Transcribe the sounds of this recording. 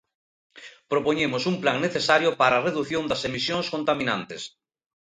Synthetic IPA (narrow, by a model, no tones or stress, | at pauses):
pɾopoɲemosumplaŋneθesaɾjopaɾaːreðuθjond̪asemisjõŋskont̪amĩnã̰nt̪es